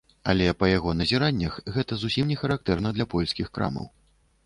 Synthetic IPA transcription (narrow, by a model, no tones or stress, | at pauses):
ɐ̰lʲɛpɐjaɣɔnɐzʲiɾanʲːɐxɣɛt̪ɐzusʲimnʲɛxɐɾak̚t̪ɛrnɐd̪lʲɐpɔlʲsʲkʲixkɾa̰mɐ̰w